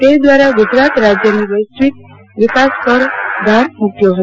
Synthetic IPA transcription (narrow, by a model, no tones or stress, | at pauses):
t̪ed̪ʋaɾaɡʊd͡ʒɾat̪ɾad͡ʒjəniʋəjsʋik̚ | ʋɪkaspəɾd̪ʱaɾupjoɦə